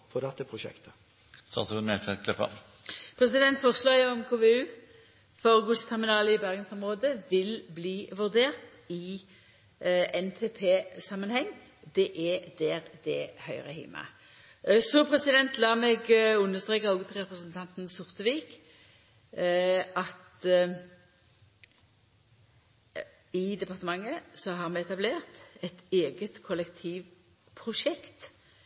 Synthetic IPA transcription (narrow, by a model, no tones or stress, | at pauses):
fɔd̪ɛt̪ːəpʰɾʊʃɛ̰kt̪ə̥ | st̪ɑ̰ːt̪mɛkɛkʰlɛpə̰ | pʰʁɛsɪd̪ɛnt̪fɔʁslɑːjɑɔmkʰoːʋeʉː | fɔʁɡʉst̪ʰɛʁmɪnɑːləɪbæʁɡənsɔmʁoːd̪əʋɪlbliːʋʉʁd̪eːʁt̪ | ɪ | ɛnt̪ʰeːpʰeːsɑmːənhɛŋː | d̪ɛʔɛd̪ɛʁd̪ɛhœʏʁəhɪ̰mɑ̰ | sɔpʰʁɛsɪd̪ɛnt̪lɑːmɛɡʉnːəʁst̪ɾeːkaɔɡət̪ʰʁɛpɾəsənt̪ʰɑnt̪nsʊʁt̪əʋiːk | ɑt̪ | ɪd̪ɛpɑʁt̪əmɑŋːəsɔɦɑʁmɛɛt̪ɑbleːʁt̪ɛt̪eːɡət̪kʰɔlɛkt̪ʰiːʋ | pʰʁʊʂɛkt̪